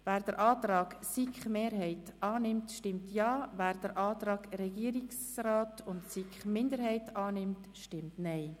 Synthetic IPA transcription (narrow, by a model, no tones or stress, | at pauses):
væːɾd̥əɾʔɑːtɾɑːɡsikχmeːɾhɛɪtʔɑːnɪmtʃtɪmtjɑːvæːɾd̥əɾʔɑːt̪ɾɑːɡ̥ɾɛɡiːəɾiks | raːtʊntsikχmɪndəɾhɛɪtɑːnɪmtʃtɪmtnɛɪ